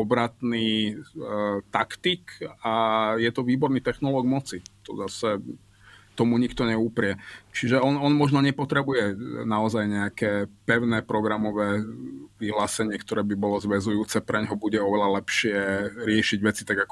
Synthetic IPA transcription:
ɔbɾat̪niː | t̪akt̪ikajɛt̪ɔʋiːbɔɾniːt̪ɛxnɔlɔːɡmɔt͡sit̪ɔ̰zasɛ | t̪ɔmuɲikt̪ɔɲɛupɾɪɛt͡ʃiʒɛɔnɔnmɔʒnɔɲɛpɔt̪ɾɛbujɛnaɔzajɲɛakɛːpɛʊnɛːpɾɔɡɾamɔʋɛːʋiɦlaːsɛɲɪɛkt̪ɔɾɛːbibɔlɔzʋɛzujuːt͡sɛpɾɛɲɦɔbuɟɛɔʋɛlalɛpʃɪɛɾɪɛʃiɟʋɛt͡sit̪aɡakɔ

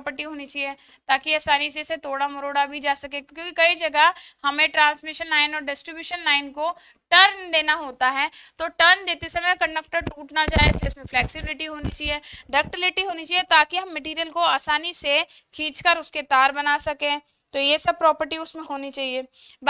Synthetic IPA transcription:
pəɾʈiɦoːnit͡ʃaːieː | t̪aːkiaːsaːniseset̪ʰoːɽamʊɾoːɽabʱid͡ʒaːsɐkẽkjõːkikɐid͡ʒɐɡəhɐmẽʈɾãːnsmɪʃənlaːɪnɔːɾɖɪsʈɾɪbjuːʃənlaːɪnko | ʈɐɾnd̪eːnaɦoːt̪aɦɛːt̪oːʈɐɾnd͡ʒeːt̪esɐməjkɐ̃ɳɖək̚ʈəɾʈuːʈnat͡ʃaːed͡ʒeːsmẽfʰlɛːksɪbɪlɪʈiɦoːnit͡ʃaːiɛːɖɐk̚ʈɪlɪʈiɦoːnit͡ʃaːiet̪aːkiɦɐmːɐʈiːɾijəlkoaːsaːnisekʰiːt͡ʃkəɾʊsket̪aːɾbɐnaːsɐkẽː | t̪ojesɐb̚pːɾɔːpəɾʈiʊsmẽɦoːnit͡ʃaːɦieːb

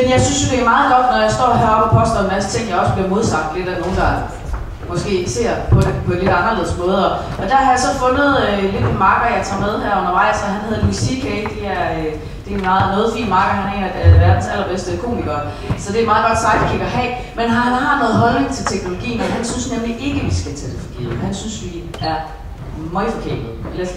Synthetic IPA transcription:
menjɑ̈ɪsynsd̥e̝æmɑ̈ːð̞̩ˠɡ̥ɒ̽d̥nɒjɑ̈sd̥ɒ̰ːɦæɐɒb̥ɒpʰɒ̽sd̥ɐenmæsə̥t͡sʰe̝ŋ̰jɑ̈ɪɒ̽səb̥liɐmo̝ð̞ˠsɑ̈m̰d̥le̝d̥æno̝ːn̩d̥ɑ̈ | mɒ̽sɡ̥e̝̰ːɡse̝̰ɐ̰pʰɒ̽d̥epʰɒ̽enle̝d̥ɑ̈nʁɐle̝ðˠsmɔ̽ːð̞ˠɒ | ɒ̽d̥æhɑ̈jɑ̈sɒ̽fɔ̽nð̞̩ˠøle̝d̥emɑ̈ːɡ̥ɐjɑ̈ɪt͡sʰɑ̰̈ːmeð̞ˠhæɐ̰ɔ̽nɐʋɑ̈ɪ̰sɒ̽ɦænheðˠmisikʰeɪ̥d̥e̝æɐ | d̥e̝mɑ̈ːð̩ˠnɔːð̞̩ˠfḭḭːnmɑ̈ːɡ̥ɐhænhɑe̝nli̥æeʋæɐ̰d̥n̩sæl̰ɐb̥esd̥əkʰo̝̰ːmiɡ̥ɐ | sɒ̽d̥e̝ɐmɑ̈ːð̩ˠɡ̥ɒ̽d̥sɑ̈ɡd̥kʰiɡ̥ɐɦɛ̰ː | menɦɑɦɑ̈nɔ̽ːð̞̩ˠɦɒ̽lne̝ŋt͡sʰe̝lt͡sʰeɡ̥no̝lo̝ɡ̥ḭːn̩ɒɦænsynsnemliʔe̝ɡ̥əʋisɡ̥æt͡sʰæd̥e̝fɒ̽ɡ̥ḭːð̩ˠhænsynsʋi | æɐ | mɑɪfɒ̽kʰe̝̰ɐ̰d̥ð̩ˠel

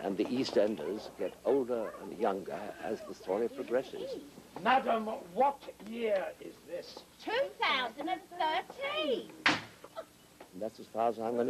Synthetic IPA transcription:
ʔɨ̰̃nðiʔistɛ̃ndə˞zɡɛɾoʊlˠdə˞ə̰̃njʌ̃ŋɡə̰˞ɨ̰zðəstɔɹipʰɹ̥ɨɡɹɛsɪ̰z̥mædə̃mwʌtjɪɹɪzðɪstʰʉːθaʊzə̃ndɨ̃nθɜˑ˞tʰĩn | nðætsəz̥fɑɹəzãɪ̃mɡʌn

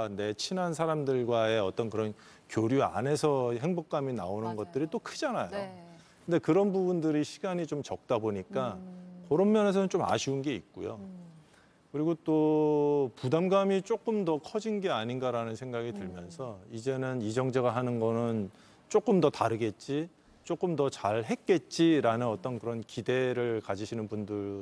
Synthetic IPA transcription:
ne̞t͡ɕʰinɦans̬ʰaɾamdɯɭɡwae̞ʌt͈ʌnkɯɾʌn | kjoɾjua̰ne̞sʰʌɦe̞ŋbok̚k͈amina̰onɯnɡʌt̚t͈ɯɾit͈okʰɯd͡ʑanajo | kɯnde̞kɯɾʌnbubundɯɾiɕʰiɡaɲit͡ɕomt͡ɕʌk̚t͈aboɲik͈akʌɾʌmmjʌne̞s̬ʰʌnɯnt͡ɕoma̰ɕʰiunɡe̞ik̚k͈ujo̰ | kɯɾiɡot͈o | pudamɡamit͡ɕ͈ok͈ɯmdʌkʰʌd͡ʑinɡe̞aɲinɡaɾanɯnsʰeŋɡaɡitɯɭmjʌnsʰʌid͡ʑe̞nɯnid͡ʑʌŋd͡ʑeɣaɦanɯnɡʌnɯn | t͡ɕ͈ok͈ɯmdʌtaɾɯɡe̞t̚t͡ɕ͈i | t͡ɕ͈ok͈ɯmdʌt͡ɕaɭɦe̞k̚k͈e̞t̚t͡ɕ͈iɾanɯnʌt͈ʌnkɯɾʌnkide̞ɾɯɭkad͡ʑiɕʰinɯnbundɯɾ

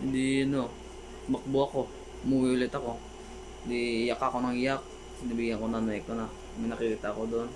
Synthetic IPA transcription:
dino | bak̚boako | muwilit̪ako | dijakakonaŋijak̚ | sinabiɡakonanaik̚t̪onah | minakulit̪akodɔn

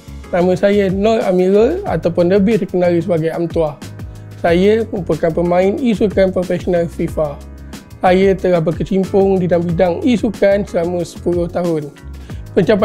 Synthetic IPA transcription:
nãmə̃sajənɔtamiɾəa̰t̪awpʊnləbɪdəkənaɾisəbaɡajamt̪uah | sajəməupəkanpəmãɪnisukanpɾofɛsonalfifa | sajət̪əlahbəkət͡ʃimpʊŋdidambidaŋisukansəlamə̃sə̥pulʊht̪aɦʊnpəɲt͡ʃap̬

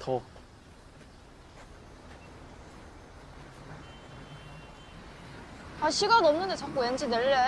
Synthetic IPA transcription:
tʰo | aɕʰiɡanomnɯndet͡ɕak̚k͈uwend͡ʑineɭːe

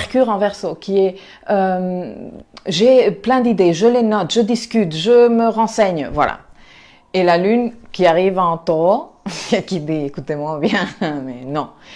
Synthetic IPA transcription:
ʁkʲyʁɑ̃vɛʁsokʰʲiɛ | øm | ʒeplɛ̃d̪id̪eʒəlenɔt̪ʒəd̪iskʲyt̪ʒəməʁɑ̃sɛɲvwa̰la̰ | elalynkʲiaʁivɑ̃t̪oakid̪iekut̪emwabjɛ̃mɛnɔ̃

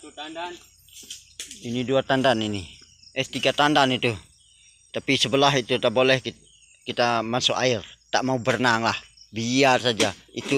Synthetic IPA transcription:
iniduat̪andanini | ɛst̪iɡat̪andanit̪u | t̪apisəbəlaɦit̪ut̪aʔbolɛhki | kit̪amasuʔairt̪aʔmaubərnaŋlahbiarsad͡ʒait̪u

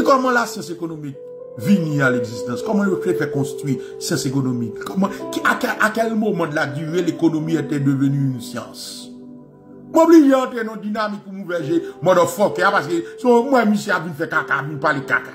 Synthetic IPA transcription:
ekɔmɑ̃lasjɑ̃sekonomik̚ | vinĩaleɡzist̪ɑ̃skɔmɑ̃jofefɛkɔ̃st̪ʁwi | sjɑ̃sekonomikkɔmɑ̃akɛʔakɛlmomɑ̃dlad̪yʁelekonomiɛtɛdøvønyːnsjɑ̰̃s | mwɛ̃bliʒɛ̃tenɔ̃d̪inamik̚pumũvɛʒemɔdɔ̃fɔkeapaskesɔ̃mwɛmĩsɛabvinfɛkakavĩnpalekaka

